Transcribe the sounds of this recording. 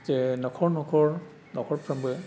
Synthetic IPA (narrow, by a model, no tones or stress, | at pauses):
tenɔkʰɔɹnɔkʰɔɹ | nɔkʰɔɹpʰɹambɯ